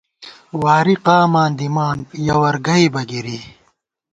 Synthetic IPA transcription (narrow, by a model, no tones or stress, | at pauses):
waːɾiqaːmaːnd̪imaːnjɐwɐɾɡɐibɐɡiɾiː